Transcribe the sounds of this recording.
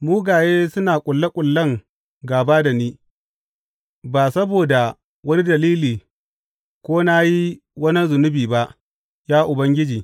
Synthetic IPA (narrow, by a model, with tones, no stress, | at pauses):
muː˦ɡaː˨jeː˦sʊ˦naː˨kʷʼʊ˨lːa˦kʷʼʊ˨lːɐ˦˨ŋ | ɡaː˨baː˦da˨niː˦ | baː˨sɐ˦boː˨da˨ | wɐ˦ni˦dɐ˨liː˦liː˨ | kʷoː˦na˦ji˦ | wɐ˦nɐ˦nzʊ˨nʊ˦biː˨ba˦ʔ | jaː˦ʔʊ˨bɐ˦ŋɡʲɪ˦d͡ʒiː˨